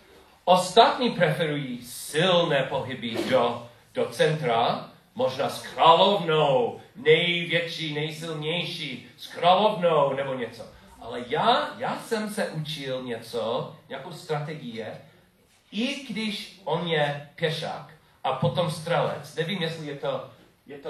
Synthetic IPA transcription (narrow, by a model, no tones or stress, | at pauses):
ʔost̪at̪ɲipɾɛfɛɾujisɪlnɛːpoɦɪbɪdo | d̥ot͡sɛnt̪ɾa | moʒnaːskɾalovnownɛjvjɛt͡ʃinɛjsɪlɲɛjʃiskɾalovnownɛboɲɛt͡soʔa̰lɛjaːjaːsɛmsɛʔut͡ʃɪlɲɛt͡soɲɛakowst̪ɾat̪ɛɡɪjɛ | ɪɡ̥dɪʃʔonɲɛpjɛʃa̰k | ʔapot̪omst̪r̥ɛlɛ̰t͡snɛvimjɛslɪjɛt̪o | jɛt̪